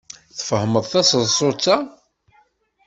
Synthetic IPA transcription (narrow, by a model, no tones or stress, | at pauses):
θfəhəməðˤθæsəðsˤot͡sːa